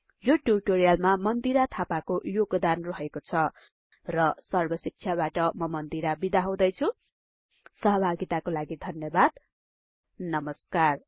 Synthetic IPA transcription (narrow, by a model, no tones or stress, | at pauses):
joʈurʈoɾijalmamʌnd̪iɾat̪ʰapakojoɡd̪anrʌɦekot͡sʰʌ | rʌsʌrbʌsik̚t͡sʰjaβaʈʌmʌmʌnd̪iɾabid̪aɦũd̪ʌjt͡sʰu | sʌɦʌbʱaɡit̪akolaɡid̪ʱʌnjʌbad̪ | nʌmʌskar